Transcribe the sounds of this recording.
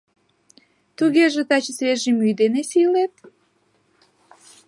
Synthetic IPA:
t̪uɣeʒĕt̪ɑt͡ɕəsβeʒimyjd̪enesilet̪

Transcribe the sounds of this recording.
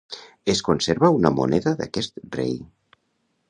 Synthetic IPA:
eskunseɾβəunəmṵnɛðəða̰kɛst̪rḛj

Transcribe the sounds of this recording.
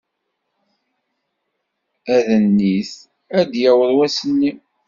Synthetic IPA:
æðənːiθ | æd̪jæwəðˤwæsənːi

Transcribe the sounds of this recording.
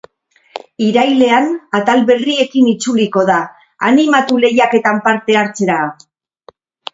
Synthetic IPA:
iɾajle̞anat̪alβe̞rie̞kinit͡suliko̞ða | animat̪ule̞jake̞t̪ampaɾt̪e̞aɾt͡se̞ɾa

